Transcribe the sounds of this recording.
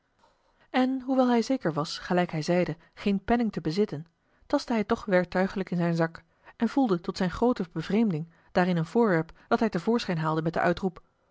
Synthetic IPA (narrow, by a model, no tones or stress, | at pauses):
ɛnɦuʋɛlˠɦɛjzejkəɹʋɑsχəlɛjkɦɛjzɛjdə | χejnpɛnɪŋtəbəzɪtən | tɑstəɦɛjtɔχʋɛɹk̚tœɥχələkɪnzɛjnzɑk | ɛnv̥ulˠdətɔtsɛjnχrowtəbəvrejmdɪŋ | d̥aːɾɪnənvʊːɹʋɛɹpd̥ɑtɦɛjtəvʊːɹsχɛjnɦaːlˠdəmɛt̚də̰ʔœɥtrup